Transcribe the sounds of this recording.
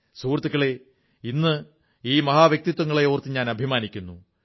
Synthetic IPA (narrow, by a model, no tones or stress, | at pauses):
suːrt̪ːukːɐɭe̞ | inːɨ | iːmɐɦaːʋjɐk̚t̪it̪wɐŋːɐɭejoːrt̪ːɨɲaːnɐbʱimaːnikʲːunːu